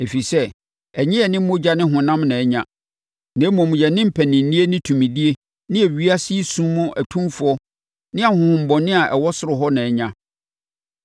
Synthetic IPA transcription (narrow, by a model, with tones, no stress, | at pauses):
e˨fi˨sɛ˦ | ɛ˨ɲɪ̃˦ɛ˨nɪ̃˦ʊ̃˦d͡ʑa˦nɪ̃˦ɦʊ̃˨nã˦mnã˨ɛ˦ɲã̰˨ | nɛ̃˨˦mɔ̃˨mũ˨jɛ˨nɪ̃˦m̩˦pʰæ˨nɪ̃˨n̩˨nĩ˦e˦nɪ̃˦tʰũ˨mĩ˨di˦e˦ | nɪ̃˦ɛ˨ɥi˦a˦si˦sũ˦mũ˦ʔæ˨tʰũ˦mfʊ˨˦ɔ˦ | nɪ̃˦a˨hʊ̃˨m̩˨bɔ˨nɪ̃˦a˨ʔɛ˨wɔ˦sʊ˦ɾʊ˨ɦɔ˦nã˨ɛ˨ɲã˨